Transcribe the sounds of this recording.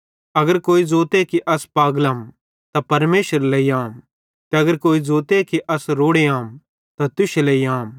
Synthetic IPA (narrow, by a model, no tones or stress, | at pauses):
ɐɡəɾkoːid͡zoːt̪ekiʔɐspaːɡlaːm | t̪apɐɾmeːʃəɾlɐiaːm | t̪ɛɐɡəɾkoːid͡zoːt̪ekiʔɐsɾoːɽeaːm | t̪ɐt̪ʊʃelɐiaːm